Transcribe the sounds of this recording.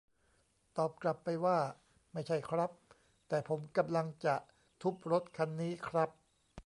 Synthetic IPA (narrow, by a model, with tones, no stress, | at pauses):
t̪ɔː˨˩p̚kla˨˩pːa˧jwaː˥˩ | ma˥˩jt͡ɕʰa˥˩jkʰɾa˦˥p̚ | t̪ɛː˨˩pʰo˩˦mka˧mla˧ŋt͡ɕa˨˩ʔ | t̪ʰu˦˥p̚ɾo˦˥t̪̚kʰa˧nːiː˦˥kʰɾa˦˥p̚